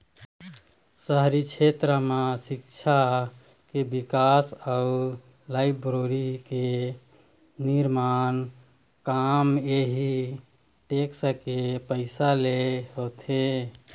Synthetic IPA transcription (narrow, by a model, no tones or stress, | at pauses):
səɦɾit͡ʃʰet̪ɾəmãsikt͡ʃʰa | kebikasəu | laɪpʰbɾoɾike | niɾman | kameɦi | ʈeksəkepəɪsaleɦot̪ʰe